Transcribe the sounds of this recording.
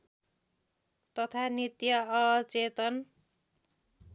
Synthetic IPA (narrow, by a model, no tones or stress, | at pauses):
t̪ʌt̪ʰanit̪jʌʌt͡set̪ʌn